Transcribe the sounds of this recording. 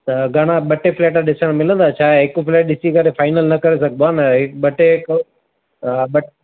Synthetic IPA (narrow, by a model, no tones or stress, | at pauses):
t̪ɐɡʱɐɽ̃ãɓɐʈefleːʈ̬aɗɪsəɽ̃mɪlə̃nd̪aːt͡ɕʰaːɦɪkufleːʈ̚ɗɪsikɐɾefaːɪnəlnɐkɐɾesɐɡ̚ʱbaːnɐɦɪkɓɐʈekː | ɓɐʈ